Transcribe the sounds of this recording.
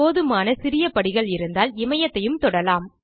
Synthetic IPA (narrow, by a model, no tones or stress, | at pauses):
oːðɯmaːnɐsɪɾɪjɐpɐɽɪɣɐɭɪɾɯnd̪aːlɪmɐjɐt̪ːɐjɯmt̪ɔɽɐlaːm